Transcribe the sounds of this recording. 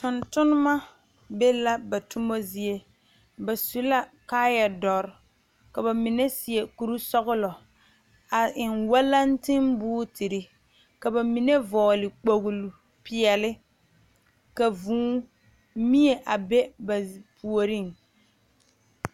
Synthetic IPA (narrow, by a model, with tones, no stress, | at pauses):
tʊ˨ntʊ˦nʊ˦ma˦ | be˦la˦ba˨tʊ˦mo˦zi˦e˦ | ba˨su˦la˦kaː˦ja˨dɔ˨ɾ | ka˨ba˨mɪ˨nɛ˦sɪ˨ɛ˨ku˨ɾu˦sɔ˦ɣʊ˦lɔ˨ | a˨ɪ˨nwa˦la˦n˦tɪ˦mbʊː˦tʰɪ˨ɾɪ˨ | ka˨ba˨mi˨nɛ˦vɔː˨lɪ˨k͡po˨ɣʊ˨lu˨ | pɪ˨ɛ˨lɪ˦ | ka˨vũː˦ | mi˦e˨ʔa˨bɛ˦ba˨pʰu˨o˨ɾi˦˨ŋ